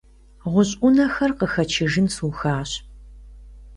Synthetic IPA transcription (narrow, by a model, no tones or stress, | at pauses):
ʁʷʊɕʼʊnɐxɐrqəxɐt͡ʃʰɪʒɨnsuːxaːɕ